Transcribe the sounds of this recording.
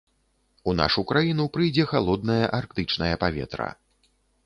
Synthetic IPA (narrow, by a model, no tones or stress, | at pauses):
una̰ʂukɾajinupɾɨjd͡zʲɛxalˠɔd̪̚nɐjɐʔarkt̪ɨt͡ʂnɐjɐpavʲɛ̰t̪ɾɐ̰